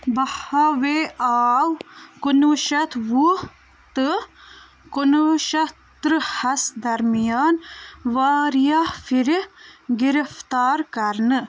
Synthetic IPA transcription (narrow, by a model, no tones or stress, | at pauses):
bɐhaweʔaːwkunuʃɐt̪wu | t̪ɨ | kunuʃɐ | t̪ɾɨhɐsd̪ɐɾmijaːnʋaːɾijafiɾɡiɾəft̪aːɾkɐɾnɨ